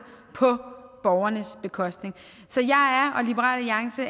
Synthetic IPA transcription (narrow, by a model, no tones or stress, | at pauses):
pʰɒ̽b̥ɒʊɐnəsb̥e̝kʰɒ̽sd̥ne̝ŋ | sɒ̽jɑ̈ɪæɐʔɒ̽lib̥əʁɑ̰̈ːliɑ̈ŋsə